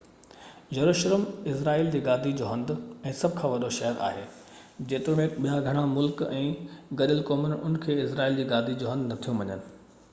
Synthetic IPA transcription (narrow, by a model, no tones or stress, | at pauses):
jɐɾuːʃələmɪsɾaːiːld͡ʑeːɡaːd̪ʱid͡ʑoːɦɐ̃nd̪ɛ̃ːsɐbʱkʰãːʋɐɗoʃɐɦəɾʔa̰ːɦeː | d͡ʑeːt̪ɪɾmẽɓijaɡʱɐɽ̃amʊlkɛ̃ːɡɐɗɪlkɔːmənʊ̰nkʰeːɪsɾaːiːld͡ʑeːɡaːd̪ʱid͡ʑoːɦɐ̃nd̪nɐt̪ʰijũʋɐɲənɪ̆